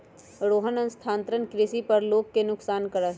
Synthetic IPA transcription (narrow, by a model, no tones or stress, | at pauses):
ɾoːɦənɐnst̪ʰãːnt̪ɾənkɾɪʃipɐɾloːɡ̚kenʊksaːnkəɾəɦ